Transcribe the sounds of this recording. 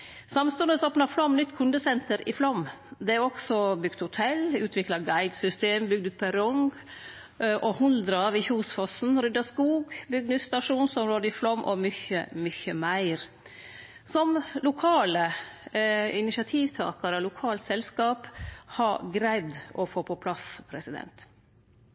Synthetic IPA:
sɑmst̪ʉnd̪əsoːpnɑflɔmnʏt̪ːkʰʉnd̪əsɛnt̪əɾɪ̰flɔmd̪ɛæɔksɔbʏɡ̥t̪hʊt̪ʰɛlʉːt̪ʰʋɪklɑɡæɪd̪sʏst̪eːmbʏɡd̪ʉːt̪̚pʰɛɾɔŋɡ | ʔɔhʊnd̪ɾɑʋɪçuːsfɔsn̩ɾʏd̪ɑskuːɡbʏɡnʉsst̪ɑʂuːnsɔmɾoːd̪əɪflɔmʔɔ̰mʏçə̰mʏçəmæɪɾ | sɔmlʊkʰɑːlə | ɪnɪʃɑt̪ʰiːʋt̪ʰɑ̰ːkɑɾəlʊkʰɑːlt̪sɛlskɑːphɑɡɾæɪd̪ʔɔfoːpʰɔpʰlɑspʰɾɛsɪd̪ɛ̰nt̪

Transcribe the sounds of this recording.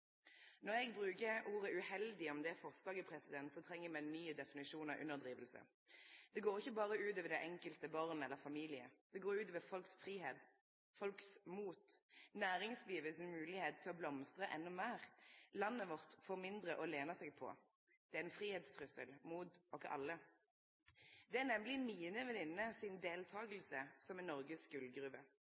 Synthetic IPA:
nɔʁɛɡbʁʉːkəuːʁəʉhɛld̪ɪɔmd̪ɛæfɔʁst̪d̪ɑːɡəpʰʁɛsɪd̪ɛnt̪sɔt̪ʰʁɛŋːəmɛnyːəd̪ɛfɪnɪʃuːnəʔʉ̰nːəʁd̪ʁiːʋəlsə̰ | d̪̥ɛɡoːʁɪçːəbɑːʁəʉːt̪ɔːʋɛd̪æɪʔɛŋkəlt̪əbɑːʁnɛlːəʁfɑmiːlɪə̰d̪̥ɛɡoːɾʉːt̪ɔːʋɛfɔlksfʁiːheːd̪ | fɔlksmuːt̪næːʁɪŋsliːʋəsɪnmʉːlɪheːt̪t̪ʰːɪlɔblɔmst̪ʁəʔɛnːʊmeːʁlɑnːəʋɔʁt̪fɔʁmɪnd̪ʁəʔɔleːnɑsɛɡ̚pʰɔ̰ | d̪̥ɛæʁɛnfʁiːheːd̪st̪ʰʁʉsə̰lmuːt̪ɔkːəʔɑ̰lːə | d̪ɛæʁnɛmlɪmiːnəʋɛnɪnːəsɪnd̪eːlt̪ʰɑːɡəlsəsɔmɛnɔʁɡəsɡʉlɡʁʉʋə

